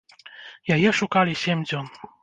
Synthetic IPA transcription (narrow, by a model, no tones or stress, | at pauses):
jajɛʂukalʲiɕʲɛmʲd͡zʲɔn